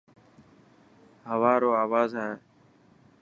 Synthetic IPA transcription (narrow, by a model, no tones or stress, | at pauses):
ɦəʋaːɾoːaːʋaːzɦẽẽː